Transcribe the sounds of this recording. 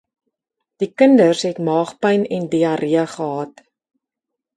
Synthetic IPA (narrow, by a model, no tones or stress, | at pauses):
d̥ikəndərsɦɛtmɑːχpɐjnɛndiɐɾʔiəχəɦɑːt